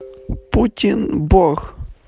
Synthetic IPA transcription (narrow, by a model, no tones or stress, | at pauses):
putʲinbɔɣ